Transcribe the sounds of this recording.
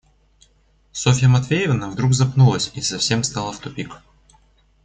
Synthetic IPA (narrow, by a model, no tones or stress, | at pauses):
sofʲɪjəmɐt̪vʲejɪvnəvd̪ɾuɡzɐpnulˠəsʲisɐfsʲe̞mst̪ɑlˠəft̪ʊpʲik